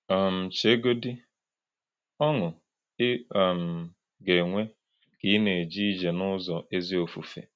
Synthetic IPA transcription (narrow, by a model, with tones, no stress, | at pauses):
m̩˨t͡ʃe˦ɡo˦di˦ | ɔ˦ŋʊ˨˦˨ | m̩˨ | ɡe˨ŋʷe˦ | ki˨˦ne˨d͡ʒi˦d͡ʒe˨nʊ˦zɔ˨ʔe˦zi˦o˨fu˨fḛ˨